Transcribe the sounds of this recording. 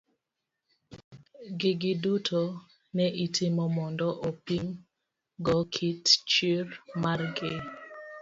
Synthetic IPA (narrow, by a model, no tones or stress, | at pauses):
ɡɪɡɪdutʰo | nɛʔitʰɪmɔmɔndɔʔopiŋ | ɡɔkʰitt͡ʃirmarɡɪ